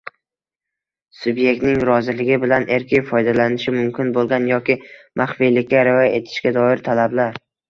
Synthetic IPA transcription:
sʊbje̞k̚ʲt̪nɪŋɾɒzɪlɪɡʲɪbɪlanʔe̞ɾkʲɪjfɒjd̪alanɪʃɪmʊmkʲɪnbolˠɡʲanjɒkʲɪmʔaχfijlɪkʲːaɾaɒjae̞t̪ʰɪ̥ʃkʲad̪ɒɪɾt̪ʰalablaɾ

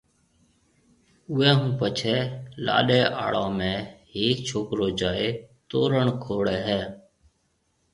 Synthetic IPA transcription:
ʊɛ̃ːɦũːpət͡ʃʰɛːla̰ːɗeːʔa̰ːɽãːmẽːɦeːkt͡ʃʰoːkɾoːd͡ʒaːeːt̪oːɾəɳkʰoːɽɛːɦɛː

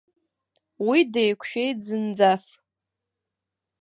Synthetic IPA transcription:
widejkʷʰʃᶣejd͡zɨnd͡zas

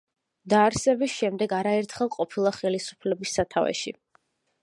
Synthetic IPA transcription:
d̪aːɾsɛbisʃɛmd̪ɛɡaɾaɛɾt̪ʰχɛlˠqʼɔpʰilˠaχɛlisu̥pʰlɛbisːat̪ʰavɛ̰ʃi

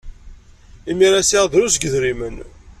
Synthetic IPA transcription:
imiɾasiʁðɾusɡəðɾimən

